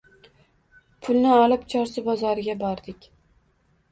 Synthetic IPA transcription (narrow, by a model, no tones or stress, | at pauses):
pʰʊlˠnɪɒlˠɪpt͡ʃʰɒɾsɪbɒzɒɾɪɡʲabɒɾd̪ɪkʲ